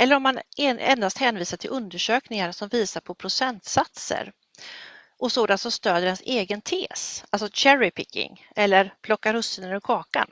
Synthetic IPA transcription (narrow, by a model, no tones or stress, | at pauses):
ʔɛlːəɾɔmːanɛɛ̰nd̪ast̪hɛːnviːsaʈʰɪlʔɵnd̪əʂøːknɪŋaɾsɔmviːsaɾpʰɔpʰɾʊsɛnt̪sat̪sə̰ɾ | ʔɔsoːd̪ant̪sɔmst̪øːd̪əɾɛnseːɡənt̪ʰeːsalsɔɕæɾɪpʰɪkːɪ̰ŋ | ɛlːəɾpʰlɔkːaɾhɵsɪnənɾɪkʰɑːka̰n